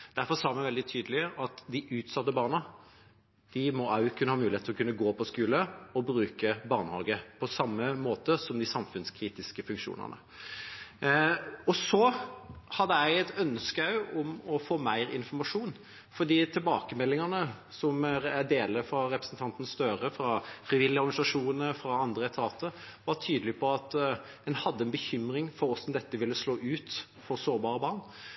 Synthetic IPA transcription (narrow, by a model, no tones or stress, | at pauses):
d̪̥æɾfɔsɑːmɪʋɛld̪ɪt̪ʰyːd̪əlɪəʔɑt̪d̪ɪʔʉːt̪sɑt̪ːəbɑːʁnə | d̪̥ɪmɔɑʉkʰʉnːəhɑːmʉːlɪeːt̪ʰɪlɔkʉnːəɡoːpʰɔskʉːləɔbɾʉːkəbɑʁnhɑ̰ːɡəpʰɔsɑmːəmoːt̪əsɔmd̪ɪsɑmfʉnskʰɾiːt̪ɪskəfʉŋkʂṵːnə̰nə̰ | ɔsɔ | hɑd̪ːəæɪɛt̪œnskəɑʉɔmɔfoːmæɪɾɪnfɔɾmɑʂuːn | fɔd̪iːt̪ʰɪlbɑ̰ːkəmɛlːɪŋɑnə | sɔmæd̪eːləfɾɑɾɛpɾəsn̩t̪ʰɑnt̪ən̩st̪œɾəfɾɑfɾɪʋɪlːɪɔɾɡɑnɪsɑʂuːnəfɾɑɑnd̪ɾəɛt̪ʰɑːt̪əʋɑʈʰyːd̪əlɪpʰɔɑt̪ | d̪ɛnhɑd̪ːəɛnbəçʏmɾɪŋfɔɾɔsɔmd̪ɛt̪ːəʋɪlːəsloːʔʉːt̪ | fɔɾsoːɾbɑːɾəbɑɾn